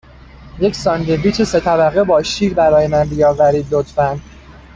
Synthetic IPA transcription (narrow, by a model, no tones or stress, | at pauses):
jecsɒnd̪eviːt͡ʃʰese̞t̪ʰæbæɣebɒːʃiːɾbæɾɒːjemænbijɒːvæɾiːd̪lot̪fæn